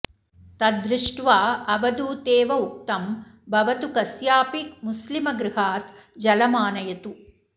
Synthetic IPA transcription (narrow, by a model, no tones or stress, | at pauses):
t̪ɐd̪ɾɪʂʈʋaːɐʋɐd̪uːt̪eːʋɐuk̚t̪ɐmbʱɐʋɐt̪ukɐsjaːpikmuslimɐɡɾɪɦaːt̪d͡ʒɐlɐmaːnɐjɐt̪u